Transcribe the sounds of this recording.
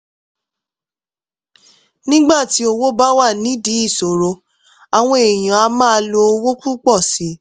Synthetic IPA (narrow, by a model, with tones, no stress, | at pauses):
nĩ˦ɡ͡ba˦˨ti˨˦o˧wo˦ba˦wa˦˨nĩ˨˦di˨˦i˦˨so˨ɾo˧˦ | a˨w̃ɔ̃˧e˨j̃ã˨a˧mãː˦˧lo˧wo˦ku˦k͡pɔ˦˨si˨˦